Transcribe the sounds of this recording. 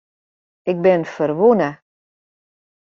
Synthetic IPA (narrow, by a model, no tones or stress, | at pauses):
ɪk̚bɪnfərʋunə